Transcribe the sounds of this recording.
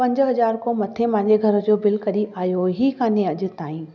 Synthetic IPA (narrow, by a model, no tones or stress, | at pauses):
pɐ̃ɲd͡ʑɦɐzaːɾkomɐt̪ʰẽmãɦɲd͡ʑeɡʱɐɾə̆d͡ʑoːbɪlkɐɾiʔaːjoɦikãːnẽɐʄʊ̆t̪aːĩː